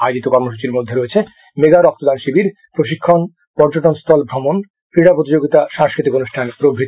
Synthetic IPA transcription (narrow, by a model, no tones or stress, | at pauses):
ajod͡ʑit̪okɔɾmoʃ̬ut͡ɕiɾmod̪ʱːeɾoet͡ɕʰe | meɡaɾɔk̚t̪od̪anʃibiɾ | pɾoʃikʰːon | pɔɾd͡ʑoʈonst̪ʰɔlbʱɾɔmon | fɾiɽapɾot̪id͡ʑoɡit̪aʃãŋskɾit̪ikonuʃʈʰanpɾobʱɾit̪